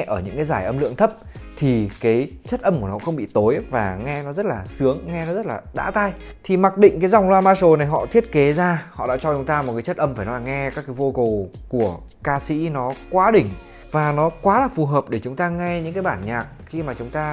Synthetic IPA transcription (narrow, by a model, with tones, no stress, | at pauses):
ʔəː˧˩ɲɨ̰˧˥ŋkaː˨˦jzaː˧˩jʔə˧mlɨ̰˧˨əŋt̪ʰə˦˥p̚t̪ʰi˨˩kaː˨˦jt͡ɕə˦˥t̚ʔə˧mku˧˩ənɔ̰˨˦xə˧wŋ͡mɓḭ˧˨t̪o˨˦jvaː˨˩ŋɛ˧nɔ˨˦zə˦˥t̚laː˨˩sɨ˨˦əŋːɛ˧nɔ˨˦zə˦˥t̚laː˨˩ɗa̰ː˧˥t̪aː˧jt̪ʰi˨˩ma˨˩k̚ɗḭ̈˧˨ŋ̟kaː˨˦jza˨˩wŋ͡mlwaː˧maː˧so˨˩na˨˩jɦɔ̰˧˨t̪ʰi˦˥ət̚ke˨˦zaː˧hɔ̰˧˨ɗa̰ː˧˥t͡ɕɔ˧t͡ɕʊ˨˦ŋ͡mt̪aː˧m̚˨˩kaː˨˦t͡ɕt̚ʔə˧mfaː˧˩jnɔ˨˦laː˨˩ŋɛ˧kaː˦˥kːaː˨˦vo˧ku˨˩wku˧˩ə | kaː˧sḭ˧˥nɔ˨˦kwaː˨˦ɗï˧˩ŋ̟ | vaː˨˩nɔ˨˦kwaː˨˦laː˨˩fu˨˩ɦəː˨˩p̚ɗe˧˩t͡ɕʊ˨˦ŋ͡mt̪aː˧ŋɛ˧ɲɨ̰˧˥ŋkaː˨˦jɓaː˧˩nɲaː˨˩k̚xi˧maː˨˩t͡ɕʊ˨˦ŋ͡mt̪aː˧